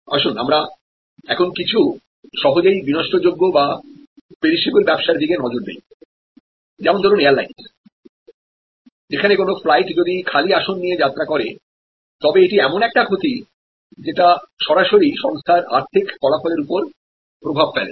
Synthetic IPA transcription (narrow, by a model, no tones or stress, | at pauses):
a̰ʃuna̰mɾa | ɛkʰonkit͡ɕʰu | ʃɔɦod͡ʑaibinɔʃʈod͡ʑoɡːoba | pɾeɾiʃibuɾbɛbʃaɾd̪iɡenɔd͡ʑoɾd̪ḛj | d͡ʑɛmond̪ʱɔɾuneaɾlains | d͡ʑekʰanekonoflajʈd͡ʑod̪ikʰaliaʃonːijed͡ʑat̪ːɾakɔɾḛ | t̪ɔbeeʈiɛmonɛk̚ʈakʰot̪i | d͡ʑeʈaʃɔɾaʃoɾiʃɔŋst̪ʰaɾa̰ɾt̪ʰikkɔlafoleɾupoɾ | pɾobʱabfɛ̰lḛ